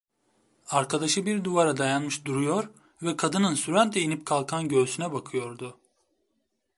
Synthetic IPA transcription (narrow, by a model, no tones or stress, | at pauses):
aɾkʰad̪aʃɯbiɾd̪uvaɾad̪ajanmɯʃd̪uɾujo̞ɾ | vɛkʰad̪ɯnɯnsyɾænd̪ʰejinip̚kʰalˠkʰanɟø̞ːsynɛbakʰɯjo̞ɾd̪ʊ